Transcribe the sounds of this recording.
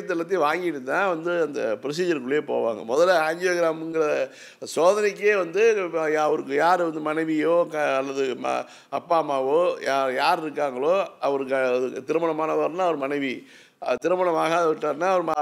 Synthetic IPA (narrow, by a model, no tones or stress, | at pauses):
ɐt̪̬ːɯpːɐt̪ːiʋaːŋɡɪʈːɯt̪ːãːʋɐnd̪ɯɐnd̪ɐ̰pɪɾɐs̬iːd͡ʒɐɾkɯɭːjeːpo̰ːʋa̰ːŋɡɐ̰mɔðɐlaɲd͡ʒɐoːɣɪɾaːmɯŋɡɯɾɐ | soːðɐnɪk̬ːeːʋɐnd̪ɯɐʋɐɾɯkːɯjaːɾʋɐnd̪ɯmɐnɐɪʋɪjoːkɐlːɐðɯm̰ | ɐpːaːmaːʋoːajaːɾɪɾɯkːaːŋɡɐɭoːɐʋɐɾɯk̬ːɐɯt̪ɪɾɯmɐɳɐmaːnɐʋaːɾnaːɐʋɐɾɯmɐnɛɪʋi | ɐt̪ɪɾɯmɐɳɐmaːɣaːðɐʋɪʈːaːɾɯnaːɐʋɐɾɯma